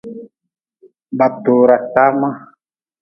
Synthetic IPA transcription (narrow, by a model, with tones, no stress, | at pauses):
ba˨t̪o˨ɾa˨ta˦ma˦